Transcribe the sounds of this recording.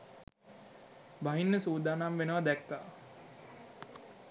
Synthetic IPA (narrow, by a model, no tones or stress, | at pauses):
baɦinːəsuːd̪aːnamʋenəʋad̪ɛkːa̰ː